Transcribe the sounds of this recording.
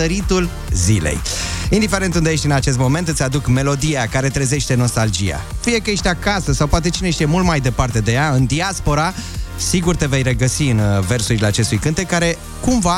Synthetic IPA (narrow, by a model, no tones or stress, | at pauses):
əɾit̪ul | zḭlḛjind̪ife̞ɾe̞nt̪und̪ee̞ʃt̪ʲɨnat͡ʃe̞s̬t̪̚mo̞me̞nt̪ɨt̪sʲad̪ukme̞lo̞d̪ijakaɾe̞t̪ɾeze̞ʃt̪e̞no̞st̪ald͡ʒḭja̰fije̞kəjeʃt̪ʲakasəsawpoat̪e̞t͡ʃineʃt̪ijemult̪majd̪e̞part̪e̞d̪e̞jaɨnd̪iaspo̞ɾasiɡurt̪e̞ve̞jre̞ɡəsiɨnve̞rsuɾileat͡ʃe̞st̪ujkɨnt̪e̞kːaɾe̞ | kumva